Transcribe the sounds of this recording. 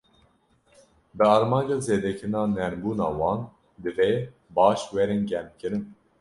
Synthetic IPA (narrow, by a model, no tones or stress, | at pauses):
bɨɑːɾmɑːnd͡ʒɑːzeːd̪ɛkʰɾɨnɑːnɛɾbuːnɑːwɑːn | d̪ɨveː | bɑːʃwɛɾinɟɛmkʰɨɾɨn